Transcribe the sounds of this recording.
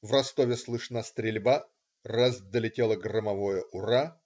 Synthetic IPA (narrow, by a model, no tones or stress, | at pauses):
vrɐst̪ovʲɪslˠɨʂnast̪ɾʲɪlʲba | razd̪əlʲɪtʲelˠəɡrəmɐvojəʔʊra